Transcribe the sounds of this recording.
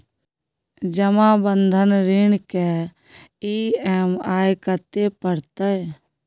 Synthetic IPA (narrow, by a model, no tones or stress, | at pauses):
d͡ʒəmabənd̪ʱənɾeɳke | iːɛːmaːjkət̪epəɾt̪ə